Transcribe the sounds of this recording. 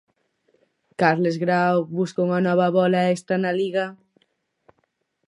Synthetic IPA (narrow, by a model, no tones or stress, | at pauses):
kaɾlezɣɾawβuskouŋanɔβ̞aβɔlaest̪ɾanaliɣa